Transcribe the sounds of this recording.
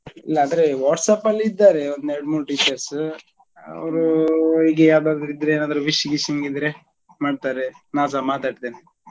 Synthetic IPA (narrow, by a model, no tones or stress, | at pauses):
ḭlːɐːnd̪ɾeʋaːʈsɐpɐlːiːd̪ːaːɾeond̪eɖmuːɾʈiːt͡ʃɐɾs | ɐ̰ʋɾuiːɡejaːwd̪aːɡd̪ɾid̪ɾeeːnaːd̪ɐɾuʋiʃjɡiʃiŋɡid̪ɾe | maːɖ̚t̪aːɾenaːs̬amaːt̪aːɽt̪ene